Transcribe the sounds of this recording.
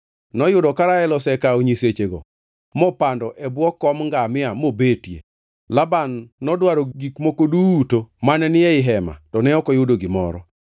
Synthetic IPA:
nɔjʊdɔkaɾaɛlɔsɛkaoɲiset͡ʃeɡɔ̰ | mɔpandɔʔɛbwɔkːɔmŋɡamɪamobetjḛ | labanːɔdwaɾɔɡikmokoduːtomanɛnɪɛɪɦɛma̰tɔnɛɔkɔjʊdoɡɪmɔ̰ɾɔ

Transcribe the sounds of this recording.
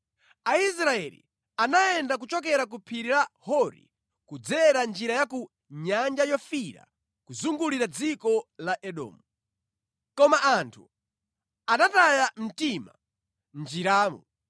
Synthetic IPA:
ais̬ɾaɛlḭ | anaɛndak̬ut͡ʃɔk̬ɛɾak̬upʰiɾiɾahɔɾḭ | kud͡zɛɾand͡ʒiɾajaku | ɲand͡ʒajɔfiɾa̰ | kuzuŋɡuliɾad͡zikɔlaʔɛɗɔ̰ːmu | kɔmaʔantʰu | anatajam̩tima̰ | nd͡ʒiɾaːmṵ

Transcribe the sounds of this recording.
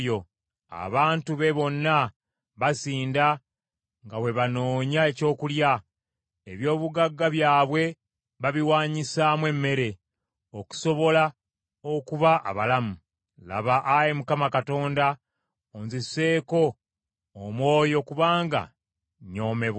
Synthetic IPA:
jo̞ | a̰βaːntuβe̞βo̞nːa | βasiːnda | ŋɡawe̞βano̞ːɲae̞co̞ːkulja | eβjo̞ːβuɡaɡːaβjaːβwe̞ | βaβiwaːɲisamwe̞mːe̞ɾe̞ | o̞ku̥so̞βo̞la | o̞kuβaʔa̰βalamu | la̰βaʔajemukamakato̞ːnda | onzise̞ːko̞ː | mwo̞ːjo̞kuβaːŋɡa̰ | ɲo̞ːme̞βa

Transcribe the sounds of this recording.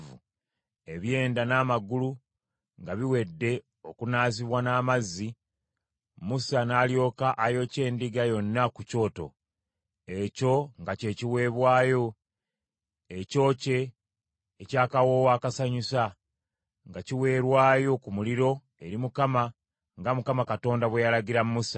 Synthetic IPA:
vṵ | e̞βje̞ːndanaːmaɡulu | ŋɡaβiwe̞dːe̞ | o̞kunaːziβwanaːmazːi | musanaːljo̞ːkaʔajo̞ce̞ːndiɡajo̞nːakuco̞ːto̞̰ | e̞co̞ŋɡace̞ːciwe̞ːβwaːjo̞ | eco̞ːce̞ː | caːkawo̞ːwaːkasaɲusa | ŋɡaciwe̞ːɾwaːjo̞kumuliɾo̞ | e̞ɾimukama | ŋɡamukamakato̞ːndaβwe̞jalaɡiɾammusa

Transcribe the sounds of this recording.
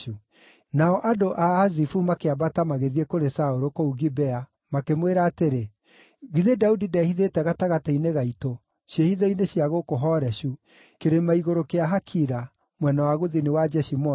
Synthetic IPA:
u | naɔʔadoʔaːzifumakeabatamaɣeðiekoɾesaoɾokouɣibɛa | makemweɾaːteɾe | ɣiðedaudidɛhiðetɛɣataɣataineɣaito | ɕjehiðɔineɕjaɣokoɦɔɾɛʃu | keɾemaiɣoɾokeaɦakʰiɾa | mwɛnawaɣoðinewad͡ʒɛʃimɔ

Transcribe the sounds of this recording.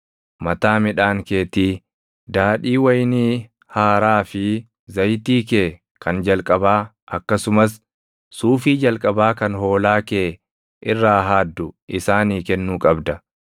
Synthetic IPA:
mɐt̪aːmɪᶑaːŋke̞ːt̪iː | d̪aːᶑiːwɐjniː | haːɾaːfɪ | zɐjt̪iːkeː | kɐnd͡ʒɐlkʼɐbaː | ʔɐkːɐsʊmɐs | suːfiːd͡ʒɐlkʼɐbaːkɐnɦo̞ːlaːke̞ː | ʔɪrːaːɦaːd̪ːʊʔɪsaːniːkɛnːuːkʼɐbd̪ɐ

